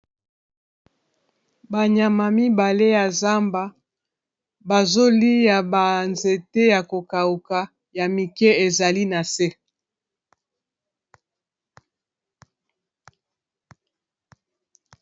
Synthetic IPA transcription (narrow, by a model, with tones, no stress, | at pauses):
ba˨ɲa˨ma˨mi˦ba˨le˦ja˨za˦mba˦ | ba˨zo˦li˦ja˨ba˨nze˨te˦ja˨ko˨ka˨u˨ka˨ | ja˨mi˨kɛ˦e˨za˨li˦na˨se˦